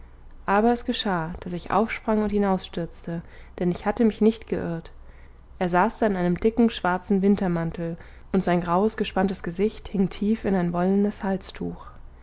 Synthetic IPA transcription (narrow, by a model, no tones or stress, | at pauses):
ʔaːbɐɛsɡ̥əʃaːd̥asɪçʔa̰ʊfʃpʁ̥aŋʊnthinaʊsʃtʏɐt͡stəd̥ɛnɪçhatəmɪçnɪçtɡ̥əʔʏɐt | ʔeːɐzaːsd̥aɪnʔaɪnəmdɪkŋ̩ʃv̥aɐt͡sn̩vɪntɐmantl̩ | ʔʊntz̥aɪnɡʁaʊəsɡ̥əʃpantəsɡ̥əzɪçthɪŋtʰiːfɪnaɪnvɔləndəshalt͡stʰuːx